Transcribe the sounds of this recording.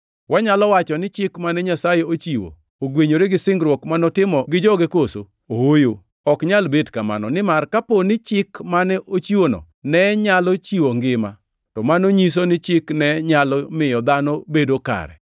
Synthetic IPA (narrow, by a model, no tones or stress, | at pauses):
waɲalɔwat͡ʃɔnɪt͡ʃɪkmanɛɲasajeot͡ʃiwo̰ | oɡweɲoɾeɡɪsɪŋɡɾwɔkmanɔtɪmɔɡɪd͡ʒɔɡekoso̰ | ohojo | ɔkɲalbedkama̰nɔ̰nɪmarkaponɪt͡ʃɪkmanɛʔot͡ʃiwonɔ̰ | nɛɲalɔt͡ʃiwoŋɡɪma | tɔmanoɲis̬onɪt͡ʃɪknɛɲalɔmɪjɔd̪anɔbedoka̰ɾɛ̰